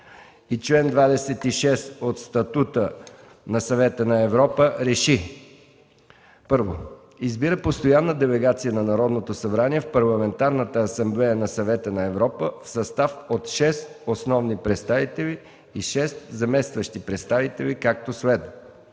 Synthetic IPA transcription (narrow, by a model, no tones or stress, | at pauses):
it͡ʃlɛnd̪vad̪ɛsɛt̪iʃɛst̪ot̪st̪ɐt̪ut̪ə | nɐsɐvɛt̪ənɐɛvɾɔpəɾɛʃi | pɤɾvo | izbiɾəpost̪ojanːəd̪ɛlɛɡat̪sijənɐnɐɾɔd̪not̪osɐbɾaniɛfpɐɾlˠɐmɛnt̪aɾnət̪əːsɐmblɛjənɐsɐvɛt̪ənɐɛvɾɔpəfsɐst̪afot̪ʃɛst̪osnɔvnipɾɛt̪st̪avit̪ɛliː | ʃɛst̪zɐmɛst̪vəʃt̪ipɾɛt̪st̪avit̪ɛlikak̚t̪osvɛt̪